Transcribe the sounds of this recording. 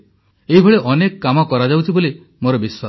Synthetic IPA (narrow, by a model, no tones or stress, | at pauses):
eɦibʱɔɭeʔɔnekkːamɔkɔɾad͡ʒawt͡ʃʰiboli | moɾɔbiswa